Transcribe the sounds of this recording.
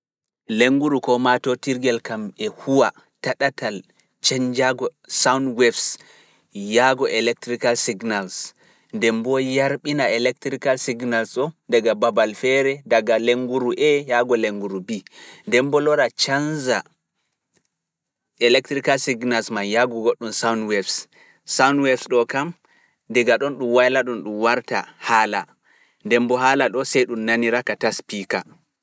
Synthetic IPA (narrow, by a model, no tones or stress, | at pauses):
leŋɡuɾukɔmatɔtiɾɡɛlkamɛhuwa | taɗatal | t͡ʃɛɲd͡ʒaɡɔsawndwɛfs | jaɡɔʔɛlɛk̚tɾikalsiɡnals | ndɛmbɔjaɾɓinaɛlɛk̚tɾikalsiɡnalsɔndaɡababalfɛɾɛdaɡaleŋɡuɾuʔɛjaɡɔleŋɡuɾubindɛmbɔlɔɾat͡ʃanza | ɛlɛk̚tɾikalsiɡnalsmanjaɡɔɡoɗːumsawnwɛfs | sawnwɛfsɗɔkam | dɛɡaɗɔnɗumwajlaɗunɗumwaɾta̰haːla | ndɛmbɔɦaːlaɗɔsɛjɗumnaniɾakataspika